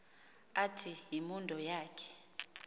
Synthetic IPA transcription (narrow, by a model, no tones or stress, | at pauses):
atʰijimundʱɔjaːkʰɛ̥